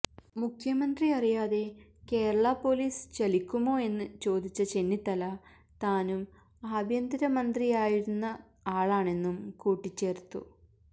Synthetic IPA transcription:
mukʰjɐmɐnd̪riɐrijaːðe̞ | ke̞ːɾɐɭapːo̞ːliːst͡ɕɐlikʲːumo̞ːe̞nːɨt͡ɕo̞ːd̪ʱit͡ɕːɐt͡ɕe̞nːit̪ːɐlɐ | t̪aːnum | aːbʱjɐnd̪iɾɐmɐnd̪riaːjiɾunːɐ | aːɭaːɳe̞nːumkuːʈːit͡ɕːe̞ːrt̪ːṵ

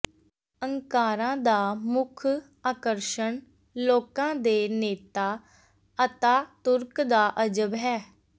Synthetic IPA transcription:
əŋkaːɾãːd̪aːmʊkʰ | aːkəɾʃəɳ | loːkãːd̪eːneːt̪aː | ət̪ãːt̪ʊɾkd̪aːʔəd͡ʒəbɦɛː

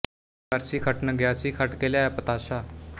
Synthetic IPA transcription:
aɾsiːkʰəʈnəɡjasiːkʰaʈkeljajapət̪aɕa

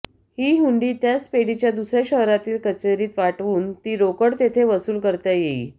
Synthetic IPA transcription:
hiːɦuɳɖiːt̪jaspeɽit͡ɕjad̪usɾjaɕəɦɾat̪iːlkət͡ɕeɾiːt̪ʋaʈʋuːnt̪iːɾokəɽt̪et̪ʰeʋəsuːlkəɾt̪jajeḭː

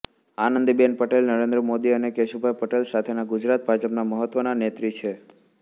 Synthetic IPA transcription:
anənd̪ibenpəʈelnəɾẽnd̪ɾəmod̪iənekeʃubʱajpəʈelsat̪ʰenaɡud͡ʒɾat̪̚bʱad͡ʒəpnaməɦət̪ːʋənanet̪ɾit͡ʃʰe

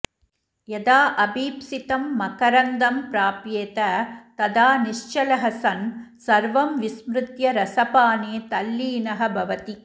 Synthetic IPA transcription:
jɛd̪aːʔɐbiːpsɪt̪ɐmːɐkɐɾɐnd̪ɐmpɾaːpjeːt̪ɐt̪ɐd̪aːnɪʂt͡ʃɐlɐɦɐsɐnsɐɾʋɐmʋɪsmɾɯt̪jɐɾɐsɐpaːneːt̪ɐlːiːnɐɦɐbʱɐʋɐt̪i

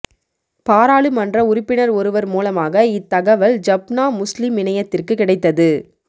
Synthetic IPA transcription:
paːɾaːɭɯmɐndrɐʊɾɪpːɪnɐɾɔɾɯʋɐɾmuːlɐmaːɣɐɪt̪ːɐɣɐʋɐld͡ʒɐbnaːmʊslɪmɪɳɐjɐt̪ːɪrkɯkɪɽɐɪt̪ːɐðɯ

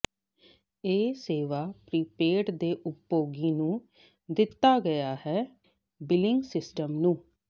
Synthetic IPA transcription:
eːseːʋaːpɾiːpeːʈd̪eːʔʊpjoːɡiːnũː | d̪ɪt̪ːaːɡəjaːhɛː | bɪlɪŋɡsɪsʈəmnũː

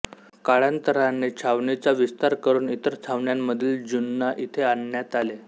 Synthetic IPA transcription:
kaɭant̪əɾanːet͡ɕʰaʋɳit͡saʋist̪aɾkəɾuːnit̪əɾt͡sʰaʋɳjamːəd̪ʱiːld͡ʑunːaʔit̪ʰeanjat̪ale

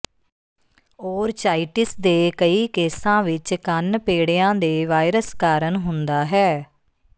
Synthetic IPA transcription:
oːɾt͡ʃaːiʈɪsd̪eːkəiːkeːsãːʋɪt͡ʃkənpeːɽejãːd̪eːʋaːɪɾəskaːɾənɦʊnd̪aːɦɛː

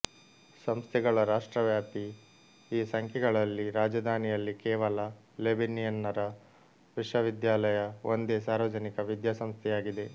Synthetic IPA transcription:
sɐmst̪ʰɛɡɐɭɐɾaːʂʈɾɐʋjaːpi | iːsɐŋkʰjɛɡɐɭɐlːiɾaːd͡ʒɐd̪ʱaːnijɐlːikɛːʋɐlɐ | lebinijɐnːɐɾɐ | ʋiʂʋɐʋid̪jaːlɐjɐond̪eːsaːɾʋɐd͡ʒɐnikɐʋid̪jasɐmst̪ʰɛjaːɡid̪e̞

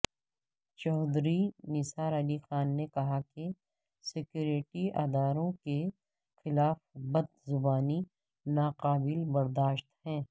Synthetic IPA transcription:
t͡ʃɔːd̪ɾinɪsaːɾɐlixaːnːekɐɦake | sɪkjuːɾɪʈiaːd̪aːɾõke | xɪlaːfbɐd̪zʊbaːni | naːqaːbɪlbɐɾd̪aːʃt̪hɛ̃ː

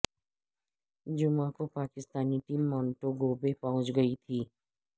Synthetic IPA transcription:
d͡ʒʊmãkopaːkɪst̪aːniʈiːmːɔːnʈoɡoːbepɐɦʊ̃t͡ʃɡɐit̪ʰiː

